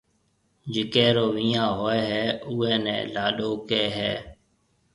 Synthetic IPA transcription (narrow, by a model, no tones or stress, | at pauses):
d͡ʒɪkeːɾoːʋĩːãːɦoːeːɦɛːʊːɛːnɛ̰̃ːlaːɗoːkeːɦɛː